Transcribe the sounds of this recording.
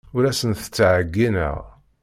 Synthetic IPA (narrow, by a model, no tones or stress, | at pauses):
ʊɾæsənθə̥t͡sːʕəɡːinə̰ʁ